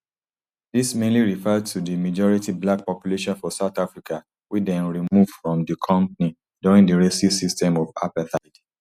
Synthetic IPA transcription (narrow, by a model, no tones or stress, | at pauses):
dismẽnliɹifɛd̚tʰudimad͡ʒɔɹitiblak̚pɔpjuleʃɔ̃nfɔsaʊtafɹikʰa | widɛ̃nɹimuv̥fɹɔ̃mdikʰɔ̃mpni | duɹĩŋdiɹesisistɛ̃mɔfapɛθaɪd